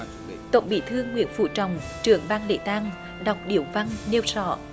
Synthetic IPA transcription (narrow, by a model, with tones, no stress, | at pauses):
t̪ə̰˧˨wŋ͡mɓḭ˧˥t̪ʰɨ˧əŋːwḭ˧˥ənfṵ˧˩t͡ɕɔ˨˧˩wŋ͡mt͡ɕɨ˧˩əŋɓaː˧ŋlḛ˧˥t̪aː˧ŋ | ɗa˨˩wk͡p̚ɗḭ˧˩əwva˧ŋne˧wsɔ̰˧˩